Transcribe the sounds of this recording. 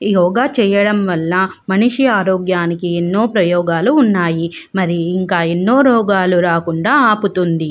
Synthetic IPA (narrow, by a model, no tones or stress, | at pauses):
jɔːɡaːt͡ʃɛːjɐɽɐmʋɐlːɐ | mɐniʂiaːɾoːɡjaːnikienːoːpɾɐjɔːɡaːluːnːaːji | mɐɾiːŋkaːenːoːɾɔːɡaːluɾaːkuɳɖaːaːput̪und̪i